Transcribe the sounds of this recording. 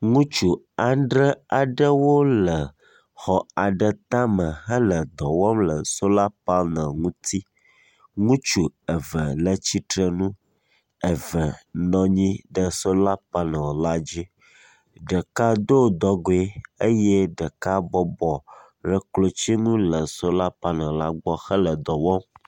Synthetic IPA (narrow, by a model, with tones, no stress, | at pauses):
ŋũ˦t͡ʃu˨ | a˨ɖɾə˦a˨ɖə˦wo˦lə˨ | xɔ˨a˨ɖə˨t̪ã˦mə̃˨ɦə˦lə˨d̪ɔ˨wɔ˦mlə˨so˦la˦pa˦nə̃˨ŋũ˦t̪ʰi˦ | ŋũ˦t͡ʃu˨ə˨və˨lə˨t͡ɕi˦tɾə˨nũ˦ | ə˨və˨nɔ̃˦ɲĩ˦ɖə˦so˦la˦pa˦nã˨o˨la˦d͡ʑi˦ | ɖə˨ka˦d̪o˦˨d̪ɔ˦ɡo˨e˦e˦jɛ˦ɖə˨ka˦bɔ˦bɔ˨ | ɾə˨klo˦t͡ɕi˦ŋũ˦lə˨so˦la˦pa˦nə̃˨la˦ɡ͡bɔ˦xə˦lə˨d̪ɔ˨wɔ˦m